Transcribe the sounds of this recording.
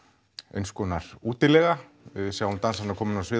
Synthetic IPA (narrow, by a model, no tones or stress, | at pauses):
ḛjnskɔːnaɾ̥uːt̪ɪlɛɣa | ɪðsɛːahunt̪ansanaɾkʰɔːmʏnawsvɪː